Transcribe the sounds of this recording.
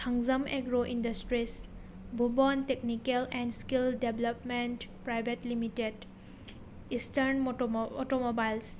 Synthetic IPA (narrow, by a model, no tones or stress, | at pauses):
tʰaŋzəmeɡɾoʔindastɾis | bʱubɔnteknikelɛndskildebləpmentpɾajbetlimited | istəɾnɔtɔmobajls